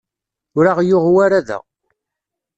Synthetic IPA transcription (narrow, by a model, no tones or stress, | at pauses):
ʊɾaʁjʊʁwaɾaðæ̰